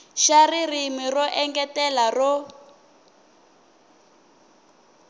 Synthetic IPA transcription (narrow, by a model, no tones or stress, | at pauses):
ʃaririmirɔʔɛŋɡɛtɛlarɔ